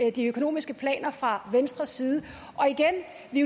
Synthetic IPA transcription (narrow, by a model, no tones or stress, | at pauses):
d̥iøkʰo̝no̝̰ːmisɡ̥əpʰlɛ̰ːnɐfʁɑ̈ʋensd̥ʁɐsiːð̞ˠə | ʔɒ̽iɡ̥en | ʋi